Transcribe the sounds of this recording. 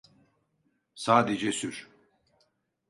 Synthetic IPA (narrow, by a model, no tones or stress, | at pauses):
saːd̪ed͡ʒɛsyɾ̥